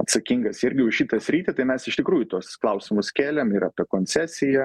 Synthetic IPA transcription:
ɐt̪sɐkʲiŋɡɐsɪɾʲɡʲɪʊʃʃʲɪt̪ɐsʲɾʲiːt̪ʲɛt̪ɐɪmʲɛsɪʃt̪ʲɪkɾuːjʊt̪uɔsklˠɐʊsʲɪmʊskʲæːlʲɛmɪɾɑːpʲɛkoːnʲt͡s̪ʲæːsʲɪjɛ

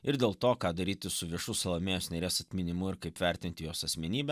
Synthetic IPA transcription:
ɪɾd̪ʲeːlˠt̪oːkɑːd̪ɐɾʲiːt̪ʲɪsʊʋʲiɛʃʊsʊlˠɐmʲeːjoːsnʲɛɾʲeːsɐt̪ʲmʲɪnʲɪmʊɪɾkɐɪpʋʲæɾʲt̪ʲɪnʲt̪ʲɪjoːsɐsʲmʲɛnʲiːbʲɛ

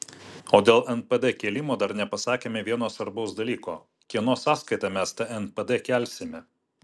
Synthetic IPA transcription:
oːd̪ʲeːlˠʔɛnpɛd̪ɛkʲeːlʲɪmoːd̪ɐɾnʲɛpɐsɑːkʲeːmʲɛʋʲiɛnoːsʋɐɾbɐʊsd̪ɐlʲiːkoː | kʲiɛnoːsɑːskɐɪt̪ɑmʲɛst̪ɐɛnpɛd̪ɛkʲæˑlʲsʲɪmʲɛ

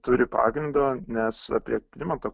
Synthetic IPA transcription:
t̪ʊɾʲɪpɑ̰ːɡɾʲɪnd̪oːnʲɛsɐ̰pʲiɛklʲɪmɐt̪oː

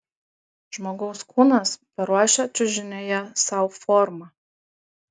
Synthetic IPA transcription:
ʒmoɡɐʊskʰuːnɐspɐɾɔʃʲɛt͡ʃʲʊʒʲɪnʲeːjɛsɑwformɐ

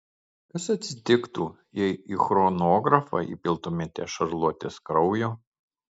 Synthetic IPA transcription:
kɐsɐt̪ʲsʲɪt̪ʲɪkt̪uː | jɛɪiːxɾɔnoɔːɡɾɐfɑ̰ːḭːpʲɪlˠt̪omʲɛt̪ʲɛ̰ʃɐɾlˠuɔt̪ʲeskɾɒʊjoː

